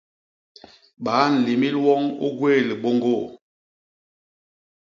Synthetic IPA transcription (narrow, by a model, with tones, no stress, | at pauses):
ɓaː˨˦n̩˨li˨mi˦lwɔ˦ŋo̰˦ɡwe˦˨li˨ɓo˦ŋɡo˦˨